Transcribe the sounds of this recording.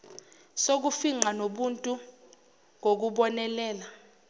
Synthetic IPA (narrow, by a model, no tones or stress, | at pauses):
sok̬ufiŋ͡ǃanoɓuntʼu | ŋɡʱok̬uɓɔnɛlɛːla